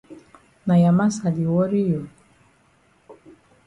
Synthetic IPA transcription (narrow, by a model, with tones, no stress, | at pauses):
na˨ja˨ma˦sa˨li˨wɔ˦ɾi˦jɔ˨